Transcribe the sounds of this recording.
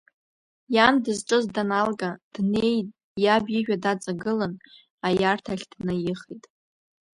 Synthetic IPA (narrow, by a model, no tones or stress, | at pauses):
jandɨzʈ͡ʂʼɨzdanalɡʼad̥nej | jabiʒᶣadat͡sʼaɡɨlɨn | ajartʰaχʲd̥nɨjɪχejtʼ